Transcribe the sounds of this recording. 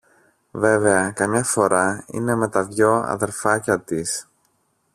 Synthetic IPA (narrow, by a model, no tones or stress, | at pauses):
ve̞ve̞ɐkɐmɲɐfo̞ɾɐḭne̞me̞t̪ɐvʝo̞ɐ̰ðe̞ɾfɐcɐt̪is